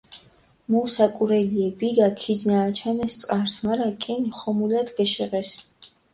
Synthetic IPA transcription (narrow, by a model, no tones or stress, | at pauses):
musakʼuɾɛliɛbiɡakʰid̪naːt͡ʃʰanɛst̪sʼqʼaɾsmaɾakʼinχɔmulad̪ɡɛʃɛʁɛs